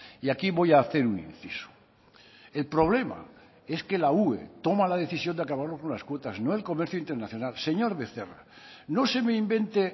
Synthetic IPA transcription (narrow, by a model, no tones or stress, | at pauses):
iakiβo̞jaːθe̞ɾunḭnθisu̥ | e̞lpɾo̞β̞le̞ma̰ | e̞ske̞lauḛt̪o̞malað̞e̞θisjo̞nd̪eakaβaɾlokonlaskwo̞t̪aznoelko̞meɾθjuint̪eɾnaθjo̞nalse̞ɲo̞ɾβeθera̰no̞se̞meimbe̞nt̪e